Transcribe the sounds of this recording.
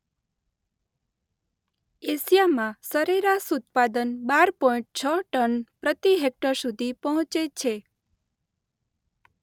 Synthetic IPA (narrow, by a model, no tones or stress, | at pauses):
esijamãsəɾeɾasut̪̚pad̪ənbaɾpɔ̃ĩɳʈ̚t͡ʃʰəʈənpɾət̪iɦek̚ʈəɾsud̪ʱipɔɦɔ̃t͡ʃet͡ʃʰe